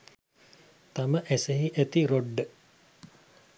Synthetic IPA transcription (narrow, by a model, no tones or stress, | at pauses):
t̪aməʔæseɦiʔæt̪iɾoɖːə